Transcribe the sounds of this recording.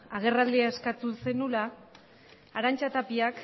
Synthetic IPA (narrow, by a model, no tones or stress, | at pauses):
aɣ̞e̞rald̪iae̞skat̪use̞nulaː | ɾant͡ʃat̪apiak